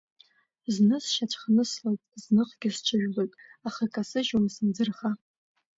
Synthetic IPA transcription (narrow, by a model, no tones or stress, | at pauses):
znɨsʃat͡ʃʷʰχanɨslajtʼznɨqɡʲɪst͡ʃʷʰaʒᶣlojtʼaχakʰʼasɨʒumsɨnd͡zɨrχa